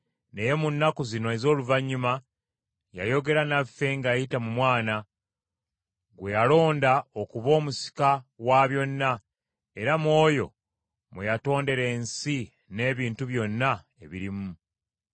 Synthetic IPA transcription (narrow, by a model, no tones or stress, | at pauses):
ne̞je̞munːakuzino̞ezo̞ːluvaɲːuma | ja̰jo̞ɡe̞ɾanafːe̞ŋɡajitamumwaːna | ɡwe̞jalo̞ːndaokuβo̞ːmusi̥kawaβjo̞nːa | e̞ɾamwo̞ːjo̞̰ | mejato̞ːnde̞ɾe̞ːnsi | ne̞ːβiːntuβjo̞nːa | e̞̰βiɾimu